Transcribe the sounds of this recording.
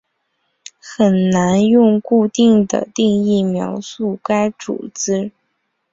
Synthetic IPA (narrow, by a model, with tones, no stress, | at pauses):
xə˨˩nna˧˥njʊ˥˧ŋku˥˧t̪i˥˩ŋd̪ə̰˩t̪i˥˧ŋi˥˩mjɑ̰˧˥ʊsu˥˩ka˥ɪʈ͡ʂṵ˨˩t͡sɹ̩˥